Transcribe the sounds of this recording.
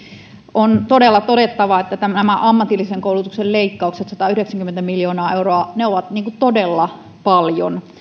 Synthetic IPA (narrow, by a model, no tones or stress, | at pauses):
ʔont̪odelːɑt̪odet̪ːɑʋɑet̪ːæt̪æmnæmæʔɑmːɑt̪ilːiseŋkoulut̪ukselleikːɑukset̪sɑt̪ɑyhɾeksæŋkyment̪æmiljoːnɑːeuroɑneoʋɑt̪niːŋkutt̪odelːɑ | pɑljo̰n